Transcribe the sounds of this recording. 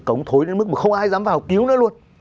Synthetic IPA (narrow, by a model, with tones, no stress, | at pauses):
kə˨˩wŋ͡mt̪ʰo˨˦jɗe˨˦nm˦˥k̚mː˨˩xə˧wŋ͡mʔaː˧jzaː˨˦mfvaː˨˩hɔ˨˩k͡p̚ʔi˨˦əwnəː˨˦lu˧ən